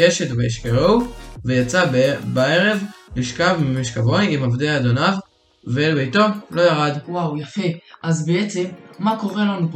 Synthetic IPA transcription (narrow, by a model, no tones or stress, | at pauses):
eʃetveiʃkeʁowvejat͡sabae̞ʁe̞vliʃkavmimiʃkavo̞jimavdeaːd̪o̞nav | velbejto̞lo̞jaʁadwawjafe̞ʔazbeet͡se̞mːako̞ʁe̞lanup